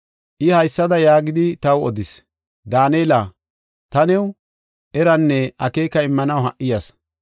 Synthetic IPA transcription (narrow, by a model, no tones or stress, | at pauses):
ʔɪhɐjsːɐd̪ɐjaːɡɪd̪ɪt̪ɐwɔd̪ɪs | d̪aːneːla | t̪ɐnɛw | ʔɛɾɐnːɛɐkeːkɐɪmːɐnɐwhɐʔɪjɐs